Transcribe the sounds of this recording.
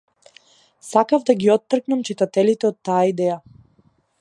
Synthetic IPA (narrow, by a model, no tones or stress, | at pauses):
sakavd̪aɡiɔt̪ːr̩knamt͡ʃit̪at̪ɛlit̪ɛɔt̪ːajaid̪ɛja